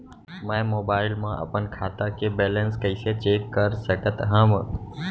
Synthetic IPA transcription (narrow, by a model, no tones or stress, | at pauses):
mə̃moːbaːɪlmãʔə̰pənkʰaːt̪akebeːlənskəɪset͡ʃeːkːəɾsəkət̪ɦə̃mə